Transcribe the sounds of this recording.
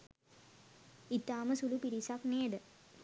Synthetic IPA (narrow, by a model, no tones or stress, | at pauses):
it̪ːaːməsulupiɾisakneːɖə